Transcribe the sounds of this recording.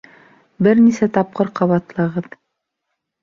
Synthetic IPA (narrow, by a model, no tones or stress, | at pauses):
bɘɾnisæt̪ɑp̚qɤɾqɑβɑt̪lˠɤ̆ʁɤð